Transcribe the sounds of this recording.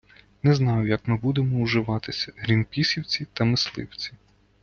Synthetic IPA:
nɛznɑjʊjɐkmɪbud̪emɔuʒɪʋɑt̪ɪsʲɐɦɾʲinpʲisʲiwt͡sʲit̪ɐmɪslˠɪ̰wt͡sʲi̥

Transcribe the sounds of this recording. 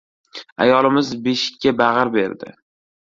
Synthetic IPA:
a̰jɒlˠɪmɪzbe̞ʃɪ̥kʲːabaʁaɾbe̞ɾd̪ɪ̰

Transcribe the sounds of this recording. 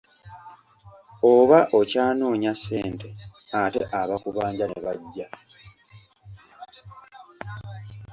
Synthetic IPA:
oβaʔo̞caːno̞ːɲasːe̞ːnte̞ate̞̰ʔaβakuβaːɲɟaneβaɟːa

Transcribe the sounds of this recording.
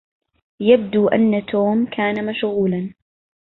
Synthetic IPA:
jab̚d̪uʔa̰nːat̪ʰoːmkʰaːnamaʃɣuːlan

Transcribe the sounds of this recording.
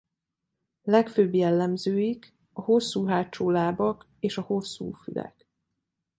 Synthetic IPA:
lɛkføːbjɛlːɛmzøːjik | ɒho̞sːuːɦaːt͡ʃoːlaːbɒk | eːʃɒho̞sːṵːfylɛ̰k

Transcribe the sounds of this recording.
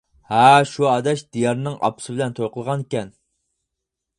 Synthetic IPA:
hæʃuɑd̪ɛʃd̪̥ijɑɾnɨŋɑ̰pʰʊ̥sɨbɪlɛnt̪ʰojqəlˠʁɑnekʲɛn

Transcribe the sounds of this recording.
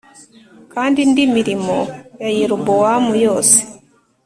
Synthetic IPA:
kandindimiɾimɔjajiɾubɔwamujɔsi̥

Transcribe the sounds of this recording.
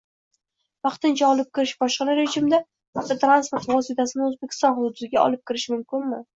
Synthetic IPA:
vɑqt̪ɪnt͡ʃʰaɒlˠɪp̚kʲʰɪɾɪʃbɒʃqɑɾaɾed͡ʒɪmɪd̪a | at̪ʰːat̪ʰɾanspoɾt̪vɒsit̪ʰasɪnɪɵzbekʲʰɪ̥st̪ɒnhʊd̪ʊd̪ʊsɪɡʲaʔɒ̰lˠɪp̚kʲɪɾɪʃmʊmkʲɪnmɪ

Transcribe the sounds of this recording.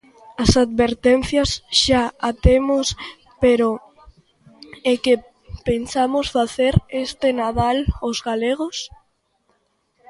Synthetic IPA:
asad̪βeɾt̪en̟θjasʃaat̪emos | peɾo | eke | pensamosfaθeɾest̪enaðalozɣaleɣ̞os

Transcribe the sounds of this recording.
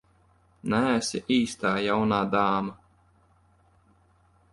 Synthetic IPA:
næːsiʔiːst̪aːjawnaːd̪aːma

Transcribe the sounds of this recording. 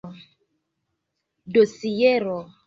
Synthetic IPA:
dosijɛɾɔ

